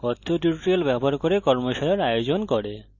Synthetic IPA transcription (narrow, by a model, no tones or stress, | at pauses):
kɔt̪ʰːoʈuɾʈɾielbɛboaɾkoɾekɔɾmoʃaɾeɾajod͡ʑonkoɾe